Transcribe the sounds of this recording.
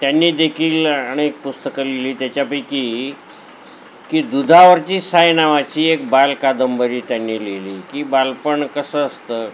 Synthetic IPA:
t̪janːiːd̪ekʰiːlaɽ̃iek̚pust̪əkəleliːt̪jat͡ɕjapəjkiː | kiːd̪ud̪ʱaʋəɾt͡ɕiːsajnaʋat͡ɕiːek̚balkad̪əmbəɾiːt̪janːiːleliːkiːbalpəɳkəsəəst̪əː

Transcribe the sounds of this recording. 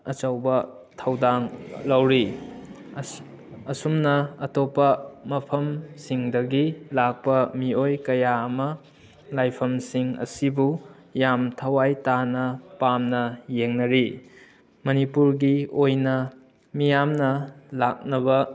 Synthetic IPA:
ɐt͡ʃɐwbɐ | tʰɐwdaŋlɐwɾi | ɐsumnɐːtopːɐmɐpʰɐmsiŋdɐɡilak̚pɐmiojkɐjaɐmɐ | lajpʰɐmsiŋɐ̰sibu | jamtʰɐwajtanɐpamnɐjeŋnɐɾi | mɐnipuɾɡiojnɐ | mijamnɐlak̚nɐbɐ

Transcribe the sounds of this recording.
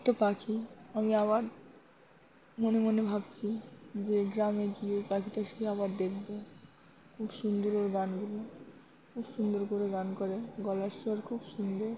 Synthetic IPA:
ɛk̚ʈapakʰiamiaβaɾ | monemonebʱabt͡ɕʰid͡ʑeɡɾameɡiopakiʈaeʃoiaβaɾd̪ekʰbo | kʰubʃund̪oɾoɾɡanɡulo | kʰubʃund̪oɾkoɾeɡankoɾeɡɔlaɾʃɔɾkʰubʃund̪oɾ

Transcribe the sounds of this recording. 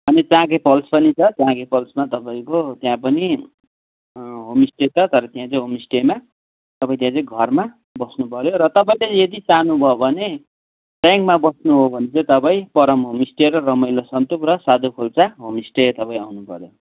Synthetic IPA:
bʱʌnet͡sãkepʌlspʌnit͡sʰʌt͡sãkepʌlsmat̪ʌpaĩkot̪jãpʌni | ɦomisʈet͡sʰʌt̪ʌɾʌt̪ijãt͡sʌĩɦomisʈema | t̪ʌpãĩt̪jãt͡sʌĩɡʱʌrma | bʌsnupʌɾjoɾʌt̪ʌpaĩlejʌd̪it͡sanubʱʌbʱʌne | ʈjaŋkmabʌsnuɦobʱʌnet͡sʌ̃ĩt̪ʌpaĩpʌɾʌmɦomisʈeɾʌrʌmʌjlosʌnt̪ukrʌsad̪ʱokʰolt͡saɦomisʈet̪ʌpãĩawnupʌ̰ɾjo

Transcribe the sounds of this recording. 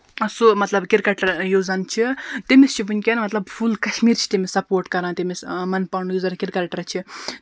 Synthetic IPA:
somɐt̪lɐbkiɾikɐʈɐɾjoːzɐnt͡ʃʰit̪emest͡ʃʰibunʲkʲenmɐt̪lɐbfʰulkɐʃmiːɾt͡ʃʰi̥t̪emesɐpoːɾʈkɐɾaːnt̪emesmɐnpawɳujozɐnkʲiɾkɐlʈɐɾt͡ʃʰi

